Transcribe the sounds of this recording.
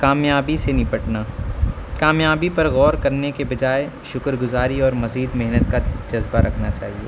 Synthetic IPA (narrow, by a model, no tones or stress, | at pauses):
kaːmjaːbisenɪpɐʈnaːkaːmjaːbipɐɾɣɔːɾkɐɾnekebɐd͡ʒaːe | ʃʊkɾɡʊzaːɾiɔːɾmɐziːd̪mɛɦnət̪̚kad͡ʒɐzbaɾʔɐkʰnat͡ʃa̰ːɦieː